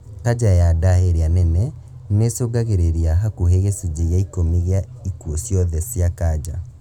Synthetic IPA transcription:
kad͡ʑajadaɦeɾeanɛnɛ | nesoɡaɣeɾeɾiaɦakuɦeɣesed͡ʑeɣeaikomeɣea | ikuɔsjɔðɛsjakad͡ʑa̰

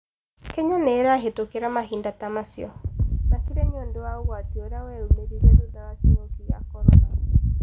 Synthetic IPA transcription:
kɛɲaneːɾaɦetokeɾamaɦiːndatamasiɔnakiɾeɲoːndowaoɣwatioɾawɛumeɾiɾedodaɣateɔkiɣa̰kɔɾɔ̰ɾa̰

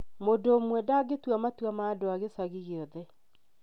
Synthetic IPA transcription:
modoːmwɛdaɡetwamatwamaːdoaɣesaɣiɣeɔðɛ

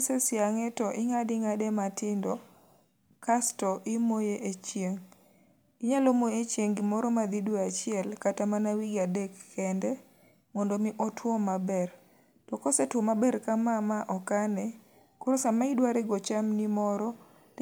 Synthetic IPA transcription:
sɛsɪaŋɛtɔʔɪŋadɪŋadɛmatɪndɔ | kastɔʔɪmojeʔet͡ʃjeŋ | iɲalɔmoet͡ʃjeŋɡɪmɔɾɔmad̪idwoat͡ʃɪɛlkatamanawiɡadɛkːɛndɛ | mɔndomɪʔɔtwɔmabɛr | tɔkɔsɛtwɔmabɛrkamamaʔɔkanɛ | kʊɾosamaidwaɾɛɡɔt͡ʃamnimɔɾɔ

